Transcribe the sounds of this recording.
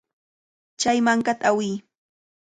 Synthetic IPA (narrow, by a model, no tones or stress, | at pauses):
t͡ʃajmaŋkat̪aawɪː